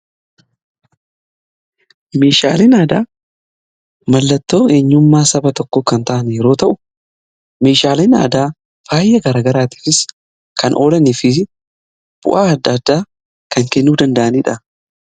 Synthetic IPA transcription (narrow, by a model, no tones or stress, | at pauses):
me̞ːʃa̰ːleːnaːd̪aː | mɐlːɐt̪ːo̞ːeːɲːʊmːaːsɐbɐt̪ɔkːɔkɐnt̪ɐʔɐnjɛɾo̞ːt̪ɐʔʊ | me̞ːʃaːleːna̰ːd̪aː | faːjːɐɡɐɾaːɡɐɾaːt̪i̥ːfɪs | kʰɐnʔo̞ːlɐnɪfɪ | b̥ʊ̰ʔaːɐd̪ːɐːd̪ːaː | kɐŋkɛnːuːd̪ɐnd̪ɐʔɐniːᶑɐ